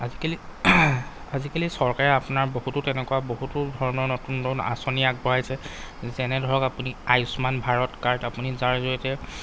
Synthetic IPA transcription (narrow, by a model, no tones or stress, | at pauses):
azikali | azikalisɔɹkaɹɛapunaɹbohutʊtɛnɛkuwaboɦutʊdʱɔɹɔnɔɹnotundɔna̰sɔnijak̚bɔɹajsɛzɛnɛdʱɔɹɔkapuniajʊsmanbʱaɹɔtkaɹtapunizaɹzoitɛ